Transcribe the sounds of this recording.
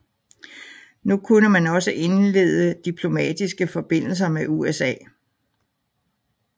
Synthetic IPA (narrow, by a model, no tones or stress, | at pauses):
nukʰunəmænɒ̽səʔe̝nle̝̰ð̞ˠəd̥ipʰlo̝mɛ̰ːd̥isɡ̥əfɒ̽b̥e̝n̰l̩sɐmeʔuesɛ̰ː